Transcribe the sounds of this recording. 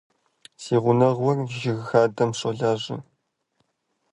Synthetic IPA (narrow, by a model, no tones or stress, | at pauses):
seːʁʷʊnɐʁwɔrʒɪɣxaːdɐmɕoɮaːʑɪ̰